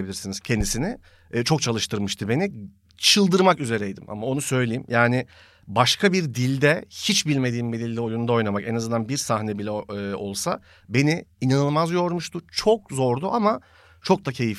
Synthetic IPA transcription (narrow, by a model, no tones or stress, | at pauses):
bilʲiɾsiniz̥cʰɛnd̪isinɪː | t͡ʃʰo̞kt͡ʃʰalˠɯʃt̪ʰɯɾmɯʃt̪ʰɯbe̞ni | t͡ʃʰɯlˠd̪ɯɾmakyze̞ɾɛjd̪ḭmʔa̰mao̞nusø̞jlʲejimjʔaːnɪ | baʃkʰabiɾd̪ilʲd̪ɛhit͡ʃbilʲme̞d̪iːmbid̪ilʲːio̞junund̪ao̞jnamakɛnazɯnd̪anbiɾsahnɛbilʲɛo̞lˠsa̰ | be̞niinanɯlˠmazjo̞ɾmuʃt̪ʰʊt͡ʃʰok̚zo̞ɾd̪uʔama | t͡ʃʰo̞k̚d̪acʰe̞jif